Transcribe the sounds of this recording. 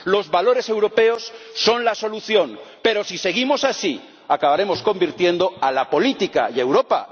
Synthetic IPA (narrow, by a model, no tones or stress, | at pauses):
lo̞zβalo̞ɾe̞se̞wɾo̞pe̞o̞sːo̞nlaso̞luθjo̞npe̞ɾo̞sise̞ɣ̞imo̞sasi | akaβaɾe̞mo̞sko̞mbiɾt̪je̞nd̪o̞alapo̞lit̪ika̰je̞wɾo̞pa̰